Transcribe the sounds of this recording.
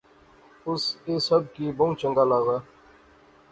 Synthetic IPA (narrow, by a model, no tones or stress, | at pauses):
ʊseːsəb̚kiːboũt͡ʃəŋɡaːlaːɣaː